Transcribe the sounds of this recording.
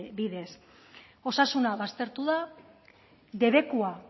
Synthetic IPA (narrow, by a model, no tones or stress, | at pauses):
biðe̞s | o̞sasunaβast̪e̞ɾt̪uða | d̪e̞βe̞kua